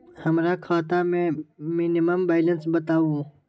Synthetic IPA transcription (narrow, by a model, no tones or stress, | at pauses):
həmɾaːkʰaːt̪amẽːmiːnimɐmbajlɐnsbɐt̪aːũː